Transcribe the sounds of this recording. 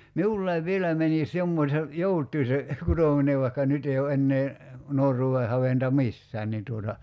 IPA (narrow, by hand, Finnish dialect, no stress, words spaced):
miulːɑiʋ ʋielæi mænis jomːosʲe joutˑui se kutoˑmineʋ ʋɑi̞kːɑ nyt ei o enːeː nuorˑuːe hɑʋentɑ misːæːn nin tuotɑ